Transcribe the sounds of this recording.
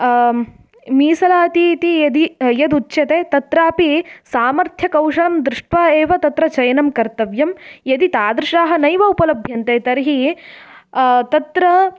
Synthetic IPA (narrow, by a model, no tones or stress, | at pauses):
miːsɐlaːt̪it̪ijɐd̪ijɐd̪utːʃjɐt̪eːt̪ɐt̪ɾaːpisaːmɐɾt̪ʰjɐkɐwʂɐɭɐmd̪ɾɪʂʈʋaːeːʋɐt̪ɐt̪ɾɐt͡ʃɐjɐnɐmkɐɾt̪ɐʋjɐmjɐd̪it̪aːd̪ɾɪʂaːɦɐnɐjʋɐupɐlɐbʱjɐnt̪eːt̪ɐɾiɦi | t̪ɐt̪ɾɐ